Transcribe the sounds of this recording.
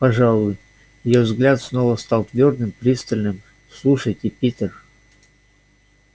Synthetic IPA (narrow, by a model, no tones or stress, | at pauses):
pɐʐɑlˠʊj | jɪjovzɡlʲat̪snovəst̪alˠt̪vʲord̪ɨmpɾʲist̪əlʲnɨm | slˠuʂəjtʲɪpʲit̪ʲər